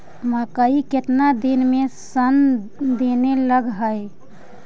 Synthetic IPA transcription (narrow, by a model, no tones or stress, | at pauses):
mə̃kəiket̪nad̪inmẽsənd̪eːneləɡɦəj